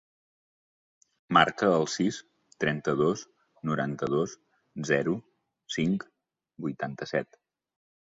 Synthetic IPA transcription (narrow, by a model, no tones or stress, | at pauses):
maɾkəːlˠsis | t̪ɾɛnt̪əðos | nuɾant̪əðos | zɛɾu | siŋk | bujt̪ant̪əsɛt̪